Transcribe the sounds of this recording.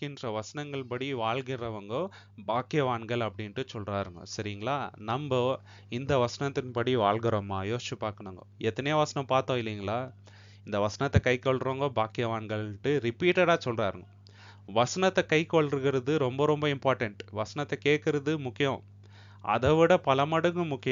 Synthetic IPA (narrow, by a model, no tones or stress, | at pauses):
kɪndrɐʋɐsɐnɐŋɡɐɭpɐɽiʋaːɭɣɪɾɐʋɐŋɡo | baːkɪjɐʋaːnɡɐɭɐpːɐɽɪnʈːɯsɔlraːɾɯŋɡɐ̰sɐɾɪŋɡɐɭaːnɐmbɐ | ɪnd̪ɐʋɐsɐnɐt̪ːɯnpɐɽiʋaːɭɡɪɾoːmaːjoːst͡ʃːɯpaːɾkɐɳɐŋɡɐ̰ɛt̪ːɐnɛjɐʋɐsɐnɐ̃mpaːɾt̪õːɪlːɐŋɡɐɭaː | ɪnd̪ɐʋɐsɐnɐt̪ːɐkɐɪkːɐɭɾɐŋɡɐːbaːkɪjɐʋaːɳɡɐɭʈːɯɾɪpiːʈɐɽaːsɔlraːɾɯŋɡɐ | ʋɐsɐnɐt̪ːɐkɐɪkːoɭɾɯɣɪɾɐðɯɾɔmbɐɾɔmbɐɪmpaːɾʈɐɳʈʋɐsɐnɐt̪ːɐkeːʈkɪɾɐðɯmʊkːɪjɐ̃ | ɐ̰ðɐʋɪɽɐpɐlɐmɐɽɯŋɡɯ̃mʊkːɪj